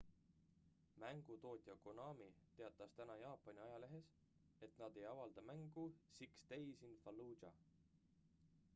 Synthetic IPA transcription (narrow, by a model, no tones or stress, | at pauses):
mæŋɡ̥ut̪o̞ːt̪ʲjɑkonɑːmit̪eɑt̪ːˑɑst̪ænɑjɑːpːˑɑnʲiɑjɑle̞ɦe̞s | e̞t̪nɑd̪e̞jɑvɑld̪ɑmæŋɡ̥usikst̪ejsinfɑlu̥ːd͡ʒɑ̰